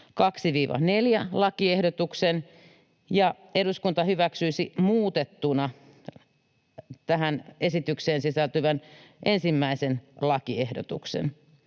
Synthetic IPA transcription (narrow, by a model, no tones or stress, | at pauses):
kɑksiʋiːʋɑ̰neljælɑkiehdot̪uksen | jɑ | eɾuskunt̪ɑhyʋæksyisimuːt̪et̪ːunɑ | t̪æɦænesit̪ykseːnsisælt̪yʋænʔensimːæisenlɑkiehdot̪ṵksḛn